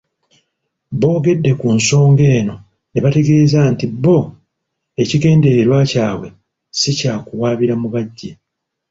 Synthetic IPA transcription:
bo̞ːɡe̞dːe̞kunso̞ːŋɡe̞ːno̞ | ne̞βate̞ɡe̞ːzaːntibo̞ | e̞ciɡe̞ːnde̞ɾeɾwacaːβwe̞ | sicaːkuwaːβiɾamuβaɟːe

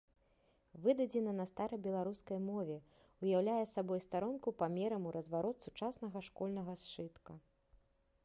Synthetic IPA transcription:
vɨd̪ɐd͡zʲɛnɐnɐst̪aɾɐjbʲɛlˠaɾuskɐjmɔvʲɛ | ujawlʲajɛsabɔjst̪aɾɔnkupamʲɛɾɐmuɾɐzvaɾɔt̪sut͡ʂasnɐɣɐʂkɔlʲnɐɣɐst͡ʂɨt̪kɐ

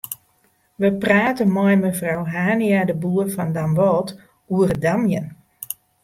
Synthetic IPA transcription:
ʋəpraːtənmɔjməfrawɦaːniadəbuːəfɔndamʋɔːt | uərədamjən

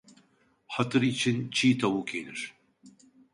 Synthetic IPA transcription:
ħɐt̪ɨɾiːt͡ʃʰint͡ʃʰiːt̪ɐwuːkʰḛːnɨ̰ɾ

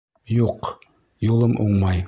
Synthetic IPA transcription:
juq | julˠɤmʔuɴmɑj

